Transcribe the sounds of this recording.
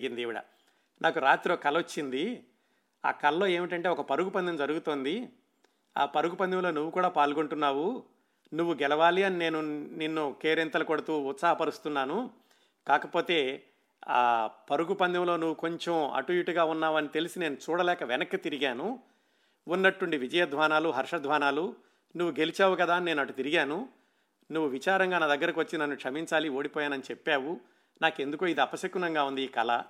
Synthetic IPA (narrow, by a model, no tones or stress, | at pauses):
ɡind̪iʋiɽɐ̰ | nʔaːkuɾaːt̪ɾiokɐlɐot͡ʃːind̪i | a̰ːkɐlɐlo̞ːe̞ːmiʈɐɳʈe̞ːɔkɐpɐɾuɡupɐnd̪ɐmd͡ʒɐɾuɡut̪o̞ːnd̪i | a̰ːpɐɾuɡupɐnd̪ʱɐmlo̞ːnuʋːukuːɽaːpaːlɡoɳʈunːaːwu | nuʋːuɡɛlɐʋaːliɐnine̞ːnuninːukeːɾent̪ɐlɐkɔɽɐt̪uːt̪saːɦɐpɐɾust̪unːaːnu | kaːkɐpo̞ːt̪e̞ː | a̰ːpɐɾuɡupɐnd̪ʱɐmlo̞ːnuʋːuko̞ɲt͡ʃemɐ̰ʈuʋiʈuɡaːunːaːʋɐnit̪e̞lisine̞ːnut͡ʃuːɽɐlɛːkɐʋenɐkːɐt̪iɾiɡaːnu | unːɐʈːuɳɖiʋid͡ʒɐjɐd̪ʱʋaːnaːluɦɐɾʂɐd̪ʱʋaːnaːlu | nuʋːuɡe̞lit͡ʃaːʋukɐd̪aːne̞ːnɐʈːut̪iɾiɡaːnu | nuʋːuʋit͡ʃaːɾɐŋɡaːnɐd̪ɐɡːɐɾɐkiʋɐt͡ʃːinɐnːukʂɐmiɲt͡ʃaːlio̞ːɽipɔːjaːnɐnit͡ʃepːaːʋu | naːkend̪ukuːid̪iɐpɐsɐkunɐŋɡaːund̪iːkɐlɐ̰